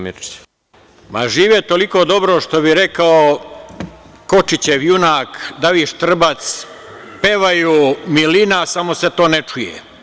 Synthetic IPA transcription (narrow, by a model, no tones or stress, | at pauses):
ma̰ʒiːʋet̪o̞liko̞d̪o̞bɾoʃt̪obiɾekao | ko̞t͡ʃit͡ɕeʋjunaːkd̪aʋiʃt̪r̩bat̪s | peʋajumilinasamose̞t̪o̞ːnet͡ʂujḛ